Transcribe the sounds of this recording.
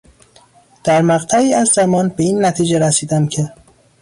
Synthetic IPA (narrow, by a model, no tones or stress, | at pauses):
d̪̥æɾmæɣt̪ʰæiːæzːæmɒːnbe̞iːnːæt̪ʰiːd͡ʒeɾæsiːd̪æmcʰe̞